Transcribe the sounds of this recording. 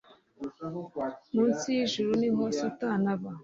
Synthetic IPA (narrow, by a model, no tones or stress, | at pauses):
munsijiʒuɾunimosotanaβa